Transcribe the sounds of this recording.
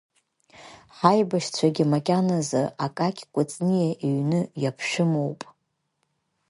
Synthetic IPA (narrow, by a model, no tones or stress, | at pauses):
ħajbaʃt͡ɕʷʰaɡʲimakʲʼanazaakʼakʲʼʰkʷʼʊt͡sʼnijaʔiɥnɨjapʰʃᶣɪmowpʼ